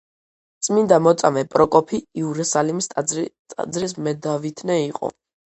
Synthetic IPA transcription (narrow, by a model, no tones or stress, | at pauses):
t̪sʼmind̪amɔt̪sʼamɛpʼɾɔkʼɔpʰiːuɾɛsalimisʼ | a̰d̪zɾis̬mɛd̪avit̪ʰnɛiqʼɔ̰